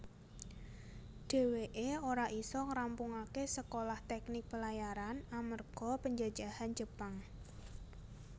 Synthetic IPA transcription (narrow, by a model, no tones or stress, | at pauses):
d̥e̤weʔeoɾaʔisɔŋɾampuŋakesəkolaht̪ɛknɪk̚b̥əlajaɾanamərɡ̥ɔ̤pəɲd͡ʒḁd͡ʒahand͡ʒəpaŋ